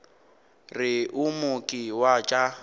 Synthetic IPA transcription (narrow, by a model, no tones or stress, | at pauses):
rɪʔʊmʊkʼɪwat͡ʃʼa